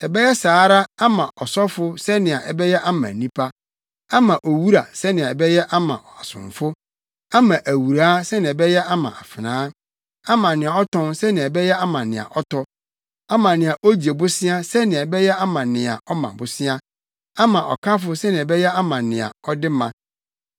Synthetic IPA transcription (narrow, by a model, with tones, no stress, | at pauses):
ɛ˨bɛ˦jɛ˦saː˨˦ɾa˦a˦mã˨ʔɔ˨sɔ˦fʊ˦sɛ˦nɪ̃˨a˨ʔɛ˨bɛ˦jɛ˦ʔa˦mã̰˨nĩ˦pʰa˦ | a˦mã˨ʔo˨wu˦ɾa̰˨sɛ˦nɪ̃˨a˨ɛ˨bɛ˦jɛ˦ʔa˦mã̰˨a˨sʊ̰̃˨ɱ˨fʊ˦ | a˦mã˨ʔæ˨wu˨ɾaː˦sɛ˦nɪ̃˨ɛ˨bɛ˦jɛ˦ʔa˦mã̰˨ʔa̰˨fɪ˨nãː˨˦ | a˦mã˨nɪ̃˨a˨ɔ˦tʰɔ̃˦nsɛ˦nɪ̃˨ɛ˨bɛ˦jɛ˦a˦mã˨nɪ̃˨a̰˨ʔɔ˦tɔ˦ | mã˨nɪ̃˨a˨ʔo˦d͡ʑi˨e˨bʊ˦sɪ̃˦a˦sɛ˦nɪ̃˨bɛ˦jɛ˦a˦mã˨nɪ̃˨a̰˨ʔɔ˦mã̰˨bʊ˨sɪ̃˦a˦ | a˦mã˨ʔɔ̰˨kʰa˦fʊ˦sɛ˦nɪ̃˨ɛ˨bɛ˦jɛ˦a˦mã˨nɪ̃˨a̰˨ɔ˦dɪ˦mã˨